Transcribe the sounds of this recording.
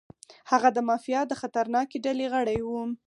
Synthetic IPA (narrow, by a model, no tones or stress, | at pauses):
haɣad̪əmɑfijɑd̪əxat̪aɾnɑkeɖaleɣəɽajwu